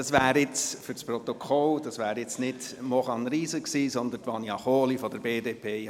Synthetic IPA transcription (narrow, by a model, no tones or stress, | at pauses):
ɑsʋæːɾɪt͡sfʏɾspɾɔt̪okʰɔld̥ɑsʋæːɾjɪt͡snɪdmɔχɑnɾiːsəksiːsɔnd̪əntʋɑniɑχoːlifɔd̥əɾbeːdeːpʰeː